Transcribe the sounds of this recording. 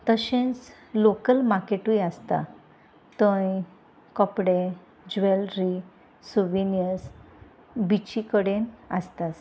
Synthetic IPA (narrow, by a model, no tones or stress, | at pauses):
t̪əɕẽt͡s | lokəlmaɾkeʈujast̪a̰ | t̪ə̃j | kɔpɽẽ | d͡ʑʋelɾi | suʋinijəs | bit͡ɕikəɽẽnast̪as